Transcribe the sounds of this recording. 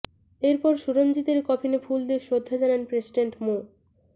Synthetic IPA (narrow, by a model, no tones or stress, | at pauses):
eɾpɔɾʃuɾomd͡ʑit̪eɾkɔpʰinefʰuld̪eʃod̪ʱːad͡ʑananpɾesiɖeɳʈmo